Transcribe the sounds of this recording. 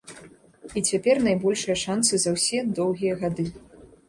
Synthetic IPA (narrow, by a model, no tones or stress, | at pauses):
it͡sʲapʲɛrnajbɔlʲʂɨjɐʂant̪sɨzɐwsʲɛd̪ɔwɣʲijɐɣad̪ɨ